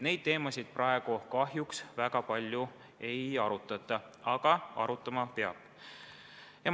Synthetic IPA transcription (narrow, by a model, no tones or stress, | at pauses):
ne̞jd̪̥̚t̪e̞ːmɑsʲid̪̥̚prʔɑe̞ɡ̥ukɑɦjuksvæɡ̥ɑpɑlʲju | e̞jɑɾut̪ːˑɑt̪ːˑɑɑɡ̥ɑɑ̰ɾut̪ːˑɑmɑpeɑ̰b̥ | jɑ